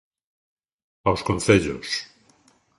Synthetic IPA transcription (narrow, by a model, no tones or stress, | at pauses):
awskonθeʎo̰s